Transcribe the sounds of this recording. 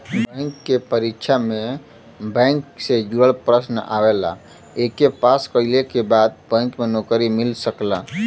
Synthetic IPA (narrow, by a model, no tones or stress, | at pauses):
bə̃ŋkːepəɾikʃʰame | bə̃ŋksed͡ʒuɽəlpɾəsna̰wela̰ | ekepaskəɪlekebad̪̚bə̃ŋkmenokɾimilsəkla